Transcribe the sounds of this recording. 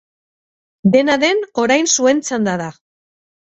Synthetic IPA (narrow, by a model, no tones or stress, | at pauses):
d̪e̞naðe̞no̞ɾajnsue̞nt͡sand̪aða